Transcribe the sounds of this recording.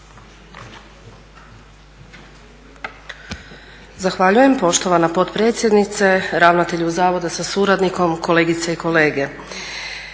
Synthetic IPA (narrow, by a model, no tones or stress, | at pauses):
zaxʋaʎuje̞mpo̞ʃt̪o̞ʋanapo̞t̪pɾe̞ːt̪sʲjed̪nit̪se̞ɾaʋnat̪e̞ʎuuzaːʋo̞d̪asasuɾad̪niko̞mkʰo̞leɡit̪saiko̞le̞ːɡe̞